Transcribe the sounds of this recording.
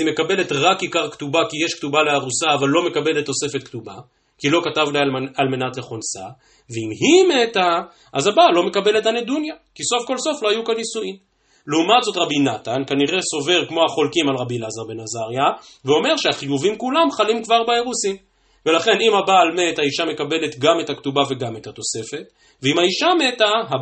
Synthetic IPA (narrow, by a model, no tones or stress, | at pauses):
ime̞kabe̞le̞tʁakikaʁktubakijeʃktubaleaʁusaːvalːo̞me̞kabe̞le̞t̪ːo̞se̞fe̞t̪ktuba | kilo̞katavlajalme̞natleχonsa̰ | veimhimet̪a | ʔazabalo̞me̞kabe̞le̞tanedunjakiso̞fko̞lso̞flo̞ajukanisuim | leumatzo̞tʁabinatankaniʁe̞so̞ve̞ʁkmo̞aχo̞lkimalʁabilazaʁbe̞nazaʁja | veo̞me̞ʁʃeaχijuvimkulamχalimkvaʁbaeʁusim | ve̞laχe̞nimhabaːlmethaiʃamekabe̞let̪ɡame̞thaktubave̞ɡamethat̪o̞se̞fe̞t | veimhaiʃametaɦa